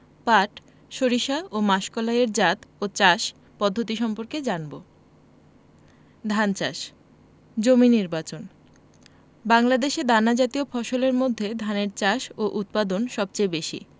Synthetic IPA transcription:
paʈ | ʃoɾiʃaʔomaʃkolaeɾd͡ʑat̪ot͡ɕaʃ | pɔd̪ʱːot̪iʃɔmpoɾked͡ʑanbo | d̪ʱant͡ɕaʃ | d͡ʑominiɾbat͡ɕon | baŋlad̪eʃed̪anad͡ʑat̪iofɔʃoleɾmod̪ʱːed̪ʱaneɾt͡ɕaʃoʔut̪̚pad̪onʃɔb̚t͡ɕejbeʃḭ

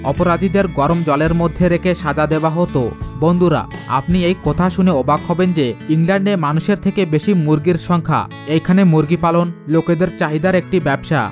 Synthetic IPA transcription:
ɔpoɾad̪ʱid̪eɾɡɔɾomd͡ʑɔleɾmod̪ʱːeɾekʰeʃad͡ʑad̪ebaɦot̪obond̪ʱuɾa̰a̰pniejkɔt̪ʰaʃuneɔbaɡɦɔbend͡ʑeiŋlɛɳɖemanuʃeɾt̪ʰekebeʃimuɾɡiɾʃɔŋkʰa̰ | ejkʰanemuɾɡipalonloked̪eɾt͡ɕaɦid̪aɾek̚ʈibɛbʃa̰

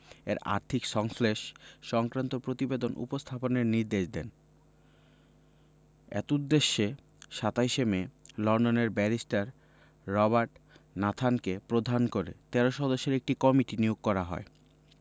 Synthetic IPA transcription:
ḛɾa̰ɾt̪ʰikʃɔŋfleʃʃɔŋkɾant̪opɾot̪ibed̪onṵpost̪ʰaponeɾniɾd̪eʃd̪ɛ̰n | ɛ̰k̪ud̪ːeʃːe | ʃat̪ajʃemelɔɳɖoneɾbɛɾisʈaɾː | ɔbaɾʈnat̪ʰankepɾod̪ʱankoɾet̪ɛɾoʃɔd̪oʃːeɾek̚ʈikɔmiʈinioɡ̚kɔɾaɦɔ̰e

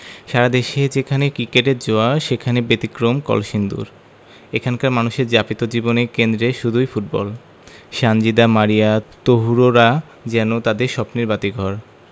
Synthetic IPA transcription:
ʃaɾad̪eʃed͡ʑekʰanekɾikeʈeɾd͡ʑoaʃekʰanebet̪ikɾomkɔ̰lʃind̪ṵɾ | ekʰankaɾmanuʃeɾd͡ʑapit̪od͡ʑibonekend̪ɾeʃud̪ʱujfuʈ̚bɔ̰l | ʃand͡ʑid̪amaɾijat̪oɦuɾoɾa | d͡ʑɛnot̪ad̪eɾʃɔpniɾbat̪iɡʱɔɾ

